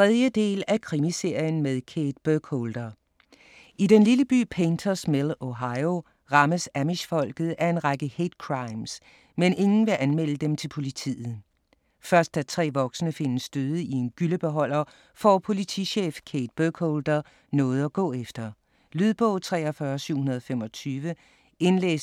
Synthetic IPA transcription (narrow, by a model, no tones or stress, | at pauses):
t͡sʰʁɛð̞ˠjəd̥e̝̰ːlækʰʁimise̝ɐ̰jən̩með̞ˠkʰeːd̥b̥økʰold̥ɐ | ʔid̥enliləb̥y̰ːpʰent͡sʰɐsmelˠoɦɑ̈ɪo | ʁɑ̈məsæmiɕfɒ̽l̰ɡ̥ð̞̩ˠæɐe̝nʁɑ̈ɡ̥əhe̝d̥̚kʰʁɑ̈ɪms | mene̝ŋn̩ʋe̝ʔænmel̰əd̥emt͡sʰe̝lpʰo̝lit͡sʰḭːð̩ˠ | fɶɐsd̥ːæt͡sʰʁɛ̰ːʋɒ̽ɡ̥sənəfe̝nəsːd̥øð̞ˠəie̝nɡ̥yləb̥e̝ɦɒ̽l̰ɐ | fɒ̰ːpʰo̝lit͡sʰḭɕḛːfkʰed̥̚b̥økʰoːld̥ɐ | nɔ̽ːð̞̩ˠɒɡ̥ɔ̰̽ːefd̥ɐ | lyðˠb̥ɔ̽ʊt͡sʰʁɛ̰ːɒfɶːɐsyʊ̰hunɐð̞ˠfemɒ̽t͡sʰyːʋə | e̝nlḛːs